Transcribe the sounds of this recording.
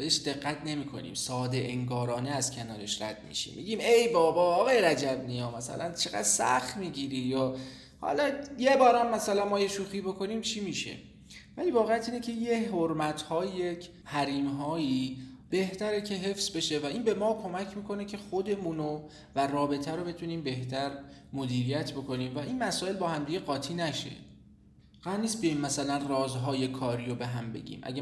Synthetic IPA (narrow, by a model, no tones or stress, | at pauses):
beeʃd̪e̞ɣːæt̪ʰne̞miːkʰo̞̰nḭːmsɒːd̪eʔeŋɡɒːɾɒːneæzcʰenɒːɾe̞ʃræ̰d̪̥̚mḭʃḭmmḭɟiːmejbɒːbɒːɒːɣɑjeɾæd͡ʒæbnijɒːmæsæ̰lʔænt͡ʃʰe̞ɣæ̰d̪̥sæ̰xt̪miːɟiːɾiːjɒː | hɒ̰lɒjebɒːɾæmːæsælænmɒːjeʃuːxiːbo̞kʰo̞niːmt͡ʃʰiːmiːʃḛ | væliːvɒːɣejæt̪ʰiːnecʰe̞jeɦoɾmæt̪ʰhɒːjecʰ | hæɾiːmɦɒːjib̥e̞ht̪ʰæɾecʰe̞ɦe̞fsbe̞ʃe̞væiːnbe̞mɒːkʰo̞mæcʰmiːkʰo̞ne̞cʰe̞χo̞d̪e̞muːno | værɒːbe̞t̪ʰæɾobe̞t̪ʰuniːmbe̞ht̪ʰæɾ | mo̞d̪iːɾijæt̪ʰbo̞kʰo̞niːmvæʔinmæsɒːe̞lbɒːhæmd̪iɡe̞ɣɒːt̪ʰiːnæʃḛ | ɢ̥æd̪niːst̪̚bijɒjimːæsælænrɒːzɦɒːje̞kʰɒːɾiːɾobe̞ɦæmbe̞̰ɟḭːmʔæ̰ɟæ